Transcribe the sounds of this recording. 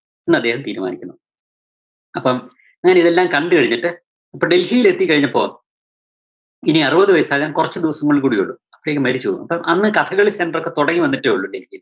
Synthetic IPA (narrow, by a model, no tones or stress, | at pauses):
enːɐd̪ːe̞ːhɐmt̪iːɾuma̰ːnikʲːunːu | ɐpːɐm | ɲaːneiðe̞lːaːmkɐɳɖɨkɐɻiɲːiʈːɨ | ɐpːoɖe̞lhijile̞t̪ːikːɐɻiɲːɐpːo̞ːɣɐ̰m | iniɐrɨbɐðɨʋɐjɐsaːɐːɐmkurɐt͡ɕːɨd̪iʋɐsɐŋːɐɭiɭkuːɽijoɭːuɐpːiɽeːkːɨmɐɾit͡ɕːuoːunːṵɐ̰pːɐmʔɐnːɨkɐt̪ʰɐɣɐɭisenɖɐrokːet̪oɽɐŋːiʋɐnːiʈːeːuɭːuɖelhijil